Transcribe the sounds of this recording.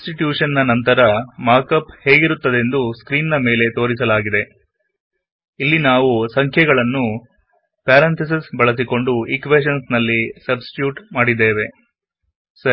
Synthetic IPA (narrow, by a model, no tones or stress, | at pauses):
sʈiʈjuːʂɐnːɐnɐnt̪ɐɾɐmaːɾkɐphe̞ːɡiɾut̪ːɐd̪e̞nd̪uskɾiːnːɐme̞ːle̞t̪o̞ːɾisɐlaːɡid̪e̞ | ilːinaːʋusɐŋkʰjɐɡɐɭɐnːu | paːɾɐnt̪ʰɐs̬isbɐɭɐs̬iko̞ɳɖuikʋeːʃ̬ɐnsnɐlːisɐbsʈi̥ʈjuːʈmaːɽid̪ːeːʋe̞ | sɐ